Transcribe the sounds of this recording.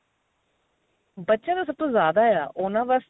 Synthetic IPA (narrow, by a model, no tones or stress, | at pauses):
bətːʃãːd̪aːsəp̚t̪õːzjaːd̪aːɛa̰ːʔʊnãːʋəs